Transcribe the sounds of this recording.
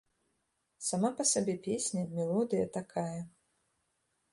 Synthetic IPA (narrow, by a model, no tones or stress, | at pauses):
samapɐsabʲɛpʲesʲnʲɐmʲɛlˠɔd̪ɨjɐt̪akʰajɐ